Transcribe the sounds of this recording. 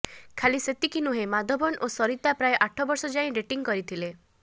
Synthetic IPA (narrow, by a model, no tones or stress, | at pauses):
kʰaliset̪ikinuɦemad̪ʱɔbɔnʔosɔɾit̪apɾaeʔaʈʰɔbɔɾsɔd͡ʒaĩɾeʈiŋkɔɾit̪ʰile